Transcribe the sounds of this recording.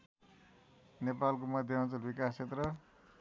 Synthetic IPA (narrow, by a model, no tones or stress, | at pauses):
nepalkomʌd̪ʱjʌʌnt͡sʌlbikast͡sʰet̪rʌ